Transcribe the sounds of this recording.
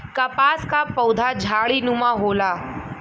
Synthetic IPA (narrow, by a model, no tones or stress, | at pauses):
kɐpaskapəwd̪ʱad͡ʑʱaɭinumaɦola